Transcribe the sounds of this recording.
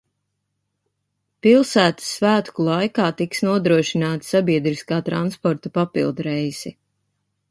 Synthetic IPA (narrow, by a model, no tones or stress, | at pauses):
pilˠsæːt̪ə̥sːvæːt̪kulˠajkaːt̪iksnuɔd̪ɾuɔʃinaːt̪sabiɛd̪ɾiskaːt̪ɾanspɔɾt̪upapilˠd̪uɾɛjz̥ɛ